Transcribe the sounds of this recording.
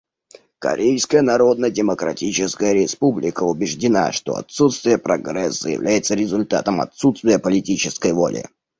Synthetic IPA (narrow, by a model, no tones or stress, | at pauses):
kɐ̰ɾʲʔejskəjənɐɾo̞d̪nədʲɪməkɾɐ̰tʲit͡ɕɪskəjəɾʲɪspublʲɪkəʊbʲɪʐdʲɪna̰ʂt̪o̞̰ɐ̰t̪sut̪st̪vʲɪjəpɾɐɡrɛsːəjɪ̰vlʲʔæjɪt̪səɾʲɪzʊlʲt̪a̰t̪əmɐ̰t̪sut̪st̪vʲɪjəpəlʲɪtʲit͡ɕɪskəjvo̰lʲʔɪ̰